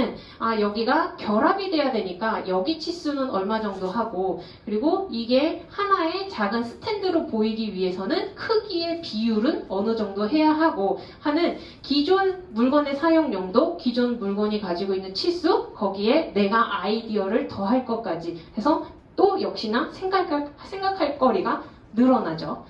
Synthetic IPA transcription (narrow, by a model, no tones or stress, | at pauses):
ɯn | ajʌɡiɡakjʌɾabide̞jadwe̞ɲik͈ajʌɡit͡ɕʰis͈unɯnʌɭmad͡ʑʌŋdoɦaɡo | kɯɾiɡoiɡe̞hanae̞t͡ɕaɡɯnsʰɯ̥tʰe̞ndɯɾopoiɡiɥiɦe̞sʰʌnɯnkʰɯɡie̞pijuɾɯnʌnɯd͡ʑʌŋdoɦe̞jaɦaɡo | hanɯn | kid͡ʑonmuɭɡwʌne̞sʰajoŋɲʌŋdokid͡ʑonmuɭɡwʌɲikad͡ʑiɡoinːɯnt͡ɕʰis͈ukʌɡiene̞ɡaʔaidiʌɾɯɭtʌɦaɭk͈ʌk͈ad͡ʑihe̞sʰʌ | t͈ojʌk̚ɕ͈inasʰeŋɡakʰsʰe̞ŋɡakʰaɭk͈ʌɾiɡa | nɯɾʌnad͡ʑo